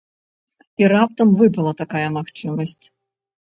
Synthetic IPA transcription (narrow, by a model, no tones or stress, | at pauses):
iɾap̚t̪ɐmvɨpɐlˠɐt̪akajɐmaxt͡ʂɨmɐsʲt͡sʲ